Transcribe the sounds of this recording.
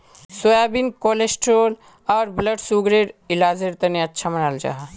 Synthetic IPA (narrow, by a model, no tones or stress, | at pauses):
sojabinkolesʈɾoːl | ɔːɾbləɖsuɡɾeɾɪlaːd͡ʒeɾt̪ɐniɐtːʃʰamɐnaːld͡ʒa̰ːɦa